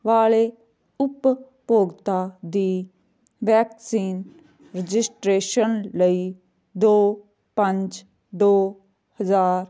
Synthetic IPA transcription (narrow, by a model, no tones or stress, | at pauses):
ʋaːle | ʊpː | oːɡt̪ad̪iː | ʋɛːksiːn | ɾəd͡ʒɪsʈɾeːʃənləiː | d̪oː | pə̃ɲd͡ʒ | d̪oː | həzaːɾ